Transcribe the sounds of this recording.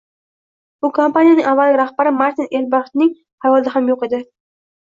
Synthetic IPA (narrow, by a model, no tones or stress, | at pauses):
b̥ʊkʰompanijanɪŋavːalɪɾahbaɾɪmaɾt̪ʰinelbɑχt̪nɪŋ | havɒlˠd̪aɦamjoqe̞d̪ɪ